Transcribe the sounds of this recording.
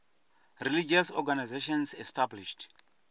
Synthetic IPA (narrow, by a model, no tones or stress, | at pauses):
rilid͡ʒasɔɡanajzeʃɔ̃nsɛstabliʃt